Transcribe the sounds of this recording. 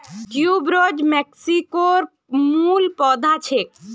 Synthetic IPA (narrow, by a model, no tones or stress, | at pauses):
kjuːbɾoːd͡ʒmeksikoɾ | muːlpɔːd̪ʱat͡ʃʰek̚